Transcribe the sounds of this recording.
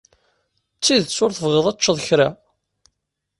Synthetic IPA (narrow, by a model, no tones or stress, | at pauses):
t͡sːiðt͡sːʊɾθəvʁəðˤæt͡ʃːəðˤçɾa